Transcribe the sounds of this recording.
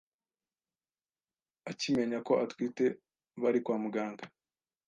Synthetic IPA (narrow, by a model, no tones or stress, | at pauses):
acime̞ɲako̞ʔatwiːte̞ | βaɾikwaːmuɡaːŋɡa